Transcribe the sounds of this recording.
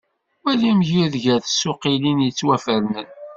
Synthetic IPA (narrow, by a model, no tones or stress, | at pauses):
wælimʝiðʝæθsːʊqilinjət͡sːwæfəɾnən